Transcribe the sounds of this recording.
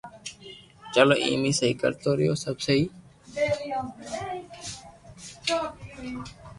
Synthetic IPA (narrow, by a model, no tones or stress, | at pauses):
t͡ʃəlo̰ːʔḭ̃ːmiːsəɦiːkə̰ɾt̪oːɾɪjo̰ːsəbsəɦiː